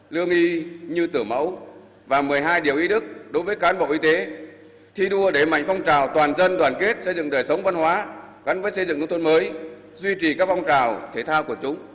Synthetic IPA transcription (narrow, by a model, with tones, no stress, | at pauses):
lɨ˧əŋʔi˧ɲɨ˧t̪ɨ˧˩əmə̰˧˥w | vaː˨˩mɨ˨˩əjɦaː˧jɗi˨˩əwʔi˨˦ɗɨ˦˥k̚ɗo˨˦jvəː˨˦jkaː˨˦nɓo̰˧˨ʔi˧t̪e˨˦ | t̪ʰi˧ɗu˧əɗe˧˩ma̰˧˨jŋ̟fɔ˧wŋ͡mt͡ɕaː˨˩wt̪waː˨˩nzə˧nɗwaː˨˩nke˦˥ət̚sə˧jzɨ̰˧˨ŋɗəː˨˩jsə˨˦wŋ͡mva˧nhwaː˨˦ | ɣa˨˦nvəː˨˦jsə˧jzɨ̰˧˨ŋkɨ˧ŋ͡mt̪ʰnməː˨˦j | zwi˧t͡ɕi˨˩kaː˦˥k̚fɔ˧wŋ͡mt͡ɕaː˨˩wt̪ʰe˧˩t̪ʰaː˧wku˧˩ət͡ɕʊ˨˦ŋ͡m